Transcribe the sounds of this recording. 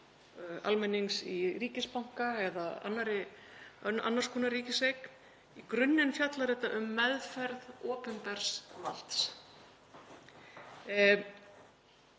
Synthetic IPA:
a̰lmɛnːiŋsiɾiːcɪspawŋ̥kaɛðaa̰nːaɾɪ | a̰nːaɾ̥skʰuːnaɾiːcɪsejkn | ikɾʏnːɪnfjat̪laɾɛht̪ːaʔʏmːɛðfɛɾðɔːpʏmpɛɾ̥sval̥t̪s

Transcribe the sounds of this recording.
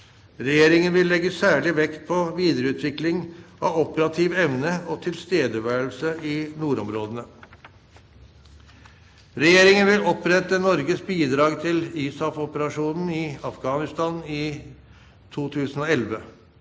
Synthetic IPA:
ɾɛjeːɾɪŋənʋɪlːɛɡːəsæːɭɪʋɛkt̪̚pʰɔʋiːd̪əɾəʉːt̪ʰʋɪklɪŋɑʋɔpəɾɑt̪ʰiːʋɛʋnəɔt̪ʰɪlst̪eːd̪əʋæːəɭsəɪnuːɾɔmɾoːd̪ənə | ɾɛjeːɾɪŋənʋɪlɔpɾɛt̪ənɔɾɡəsbiːd̪ɾɑːɡt̪ʰɪliːsɑfɔpəɾɑʂuːnn̩ɪɑfɡɑːnɪst̪ɑːnɪː | t̪ʰuːt̪ʰʉːsn̩ɔɛlʋə

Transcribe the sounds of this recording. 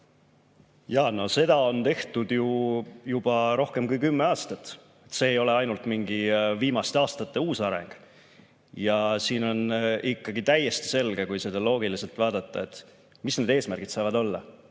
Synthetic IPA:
jɑno̞se̞d̪̥ɑo̞nt̪e̞ht̪ud̪jujub̥ɑɾo̞hke̞mkujkymːe̞ɑːst̪ɑt̪ːˑ | et̪se̞ːjo̞le̞ɑjnult̪miŋɡiviːmɑst̪eɑːst̪ɑt̪ːe̞uːsɑɾe̞̰ŋɡ̥ | jɑsiːno̞nikːɑɡit̪æje̞st̪i̥se̞lɡ̥e̞kujse̞d̪ɑlo̞ːɡ̥ilise̞lt̪vɑːd̪ɑt̪ˑːɑ̰e̞t̪ːˑ | misne̞d̪e̞ːsmærɡ̥id̪̥sɑjvɑd̪o̞lːɑ̰

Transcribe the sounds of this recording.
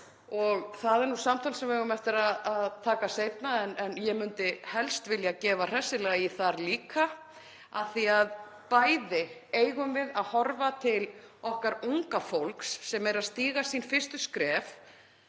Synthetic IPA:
ɔɣθaðɛɾnusamt̪ʰalsɛmvɪɛɣʏmɛft̪ɪɾaðaðt̪ʰaːkasejt̪naɛnɛnjɛmʏnt̪ɪhɛlst̪vɪljacɛːvar̥ɛsɪlɛːɣaiθaɾliːka | aθiað | paːjðɪeːjɣʏmvɪðaðhɔɾvat̪ʰɪl | ɔhkaɾuŋkafowlksːɛmɛɾaðst̪iːɣasinfɪr̥st̪ʏskɾɛːf

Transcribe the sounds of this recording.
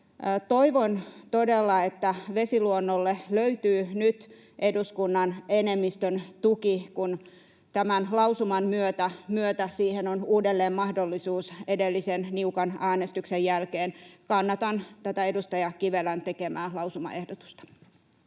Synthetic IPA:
t̪oiʋont̪odelːɑet̪ːæʋesiluonːolːeløyt̪yːnyt̪ | ʔeduskunːɑnenemːist̪ønt̪ukikun | t̪æmænlɑusumɑnmyøt̪æmyøt̪æsiːhenonuːdelːeːmmɑhdolːisuːsedelːisenniukɑnæːnest̪yksejjælkeːnkɑnːɑt̪ɑnt̪æt̪æedust̪ɑjɑkiʋelænt̪ekemæːlɑusumɑ̰ʔehdot̪u̥st̪ɑ̥

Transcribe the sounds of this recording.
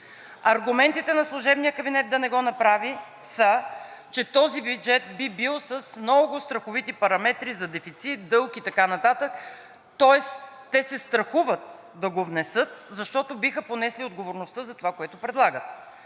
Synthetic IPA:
ɐɾɡʊmɛnt̪it̪ɛnɐslˠʊʒɛbnijəkɐbinɛt̪̚d̪ɐnɛɡɔnɐpɾavisət͡ʃɛt̪ɔzibjud͡ʒɛt̪̚bibilˠsəsmnɔɡʊst̪ɾɐxʊvit̪ipɐɾɐmɛt̪ɾizɐd̪ɛfit̪sit̪̚d̪ɤlˠkit̪ɐkanɐt̪at̪ək | t̪ɔɛs | t̪ːɛsɛst̪ɾɐxuvət̪ | d̪ɐɡovnɛsɤt̪zɐʃt̪ɔt̪obixəponɛsliod̪ɡovoɾnʊst̪əzɐt̪ovakoɛt̪ʊpɾɛd̪lˠaɡət̪

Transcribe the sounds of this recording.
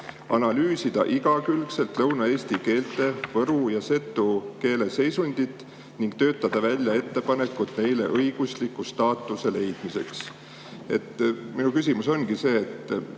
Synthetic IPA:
ɑnɑlyːsid̪̥ɑ̰ʔiɡ̥ɑkylkse̞lt̪lɤwnɑe̞ːsʲt̪ike̞ːlt̪ːˑe̞vɤɾujɑse̞t̪ːuke̞ːle̞se̞jsunʲd̪̥it̪ːˑ | niŋɡ̥̚t̪ø̞ːt̪ːɑd̪̥ɑvælʲːjɑe̞t̪ːe̞pɑne̞kːˑut̪ˑne̞jle̞̰ʔɤjɡ̥uslikːust̪ɑːt̪ˑːuse̞le̞jd̪̥mise̞̰ks | e̞̰t̪ːminukysʲimuso̞nɡise̞ːt̪ː

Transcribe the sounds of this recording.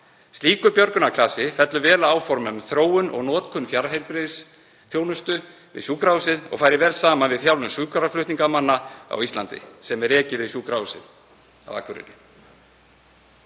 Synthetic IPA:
st̪iːkʏpjœɾkʏnakʰlaːsɪfɛt̪lʏvɛːlaaːwfɔɾmʏmθɾoːwʏnʔɔ̰ɣnɔːt̪kʰʏnːfjaɾɦejɾpɾɪðs | θjoːwnʏst̪ʏ | vɪ̰ðsjuːkɾawsɪðɔ̰ɣfajɾɪvɛːɾlsaːmanvɪðθjawlʏmsuːkʰaɾaflʏht̪niŋkamanːaa̰wist̪lant̪ɪ̰sɛmɛɾɛːcɪvɪðsjuːkɾawsɪ̰ð | a̰wa̰ːkʰvʏɾɪ̰nːɪ̰

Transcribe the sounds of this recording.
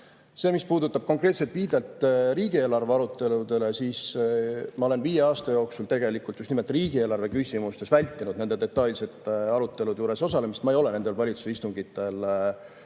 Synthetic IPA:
se̞ːmispuːd̪ut̪ːˑɑb̥̚ko̞ŋkre̞ːt̪selt̪viːd̪elt̪ɾiːɡie̞ːlɑrve̞ɑɾut̪ːe̞lud̪̥e̞lesiːs | mɑo̞lenviːje̞ɑːst̪ɑjo̞ːksult̪e̞ɡe̞likːˑult̪just̪nimlt̪ːˑriːɡ̥ie̞ːlɑrve̞kysʲimust̪e̞svælʲt̪ˑːinud̪nend̪e̞d̪e̞t̪ːˑɑlʲse̞t̪ˑɑɾut̪ːˑe̞lud̪̥juːɾe̞so̞sɑle̞mist̪mɑejo̞le̞ne̞nd̪elvɑlʲit̪su̥sist̪uŋɡ̥it̪ːˑe̞l

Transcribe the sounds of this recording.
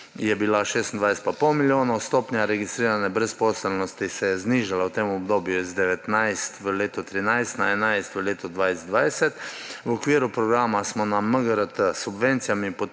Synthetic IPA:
jɛbilaʃeːst̪nd̪ʋajsɛ̥t̪̚papɔwmiljoːnɔwst̪oːpnjaɾɛɡist̪ɾiːɾanɛbɾɛspɔsəlnɔst̪isɛjɛzniʒalawt̪eːmɔbd̪oːbjuzd̪ɛʋɛt̪najst̪ʋəleːt̪ɔt̪ɾinajst̪naɛnajst̪ʋəleːt̪ɔd̪ʋajzd̪ʋajsɛt̪ | wɔkʋiːɾupɾɔɡɾaːmasmɔnaməɡəɾət̪əsubʋent̪sijamipɔ

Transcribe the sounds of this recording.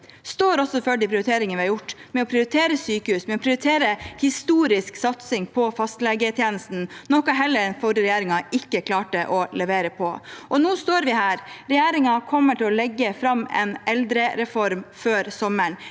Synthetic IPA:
st̪oːɾɔsɔføɖɪpʰɾɪʊɾɪt̪ʰeːɾɪŋənʋɪhɑɾjʊʈːmɛɔpʰɾɪʊɾɪt̪ʰeːɾəsyːkəhʉːsmɛɔpʰɾɪʊɾɪt̪ʰeːɾəhɪst̪uːɾɪsksɑt̪sɪŋpʰɔfɑst̪lɛɡət̪ʰjeːnəst̪n̩nɔkɑɦɛlːəɾɛnfɔɾəɾɛjeːɾɪŋɑʔɪkːəkʰlɑːʈəʔɔlɛʋeːɾəpʰɔʔɔnuːst̪oːɾʋɪhæːɾɾɛjeːɾɪŋɑkʰɔmːəʈɪlɔlɛɡːəfɾɑmːɛ̰nɛld̪ɾəɾɛfɔɾmføːɾsɔməɳ

